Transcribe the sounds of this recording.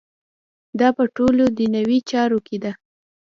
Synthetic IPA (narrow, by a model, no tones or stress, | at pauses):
d̪ɑpəʈolod̪ənawit͡ʃɑɾoked̪a